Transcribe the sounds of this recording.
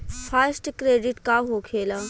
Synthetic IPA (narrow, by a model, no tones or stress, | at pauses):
fʰasʈkɾeːɖiʈkaɦokʰeːla